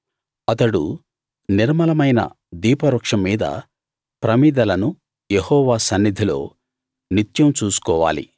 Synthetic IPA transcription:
ɐt̪ɐɽṵ | niɾmɐlɐmɐjnɐ̰ | d̪iːpɐɾɐkʂɐmːiːd̪ɐ̰ | pɾɐmid̪ɐlɐnu | jehɔːʋaːsɐnːid̪ʱilo̞̰ː | nit̪jɐmt͡ʃuːsu̥kɔːʋa̰ːlḭ

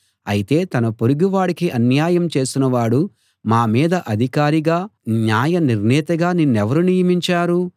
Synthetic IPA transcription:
ɐ̰jit̪e̞ːt̪ɐnɐpoɾuɡiʋaːɽikiʔɐnjaːjɐmt͡ʃe̞ːsinɐʋaːɽu | maːmiːd̪ɐʔɐd̪ʱikaːɾiɡaːnjaːjɐniɾnɛːt̪ɐɡaːninɛʋɐɾunijɐmiɲt͡ʃaːɾu

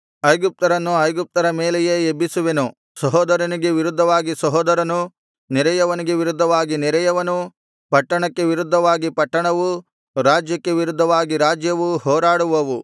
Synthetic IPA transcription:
ɐjɡup̚t̪ɐɾɐnːuɐjɡup̚t̪ɐɾɐmeːlejeebːisuʋe̞nu | sɐɦɔːd̪ɐɾɐniɡe̞ʋiɾud̪ʱːɐʋaːɡisɐɦɔːd̪ɐɾɐnu | niɾɐjɐʋɐniɡe̞ʋiɾud̪ʱːɐʋaːɡiniɾɐjɐʋɐnu | pɐʈːɐɳɐkːe̞ʋiɾud̪ʱːɐʋaːɡipɐʈːɐɳɐʋu | ɾaːd͡ʒjɐkːe̞ʋiɾud̪ʱːɐʋaːɡiɾaːd͡ʒjɐʋuhɔːɾaːɽuʋɐʋu

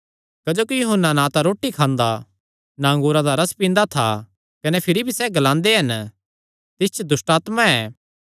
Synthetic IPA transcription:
kɐd͡ʒoːkijʊɦənːanãt̪aɾoːʈːikʰãːnd̪a | nãːŋɡuːɾad̪aɾɐspĩːnd̪at̪ʰa̰ | kɐnɛpʰɪɾibʱisɛɡɐlãːnd̪eɦɐn | t̪ɪst͡ʃʰd̪ʊsʈaːt̪mãɛː

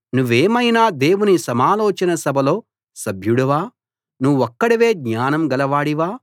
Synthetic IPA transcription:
nuʋeːmɐjnaːd̪e̞ːwunisɐmaːloːt͡ʃɐnɐsɐbʱɐlo̞ː | sɐbʱjuɽɐʋaː | nuʋɔkːɐɽiʋe̞ːɡɲaːnɐmɡɐlɐʋaːɽiʋaː

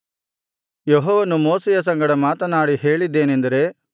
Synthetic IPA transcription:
jeɦɔːʋɐnumoːsɛjɐs̬ɐŋɡɐɽɐmaːt̪ɐnaːɽiɦe̞ːɭid̪ːe̞ːnend̪ɐɾe̞

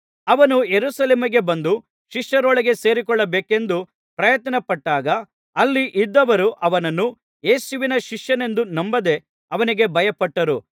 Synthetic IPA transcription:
ɐʋɐnujeɾusɐleːmiɡe̞bɐnd̪u | ʃiʂjɐɾɔɭɐɡe̞se̞ːɾikɔɭːɐbeːke̞nd̪u | pɾɐjɐt̪ɐnɐpɐʈːaːɡɐː | lːiʔid̪ːɐʋɐɾuʔɐʋɐnɐnːu | jeːsuʋinɐʃiʂjɐne̞nd̪unɐmbɐd̪e̞ | ɐʋɐniɡe̞bʱɐjɐpɐʈːɐɾu

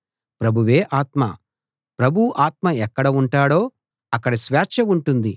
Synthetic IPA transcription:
pɾɐbʱuʋeːʔaːt̪mɐ̰ | pɾɐbʱuʔaːt̪̚mɐɛkːɐɽɐuɳʈaːɽo̞ː | ɐkːɐɽɐsʋaːt͡ʃɐuɳʈund̪i

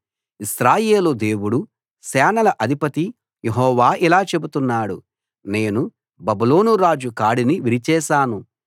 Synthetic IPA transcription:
isɾaːje̞ːlud̪e̞ːwuɽu | sɛːnɐlɐʔɐd̪ʱipɐt̪i | jeɦɔːʋaːʔilaːt͡ʃe̞but̪unːaːɽu | ne̞ːnu | bɐbulo̞ːnuɾaːd͡ʒukaːɽiniʋiɾit͡ʃɛːʃaːnu

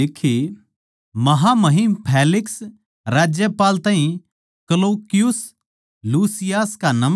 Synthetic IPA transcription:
ɪkʰːe | mɐɦamɐɦimpʰeːlɪks | ɾaːd͡ʒjəpaːlt̪aːĩ | kɐloːkɪjʊs | luːsɪjaːskanɐm

